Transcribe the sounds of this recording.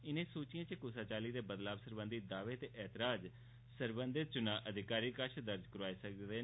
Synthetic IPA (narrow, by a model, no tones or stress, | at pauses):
ɪnẽːsoːt͡ʃɪjãːt͡ʃəkʊːsaːt͡ʃaːliːd̪eːbəd̪laːbsəɾbə̃nd̪id̪aːʋeːt̪eːʔɛːt̪ɪɾaːd͡ʒ | səɾbənd̪ɪt̪̚t͡ʃʊnãːʔəd̪ʱɪkaːɾiːkəʃʰd̪əɾd͡ʒkəɾaːeːsək̚deː